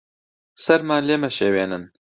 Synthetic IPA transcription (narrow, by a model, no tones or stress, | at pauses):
sɐɾmaːnleːmɛʃeːweːnɨn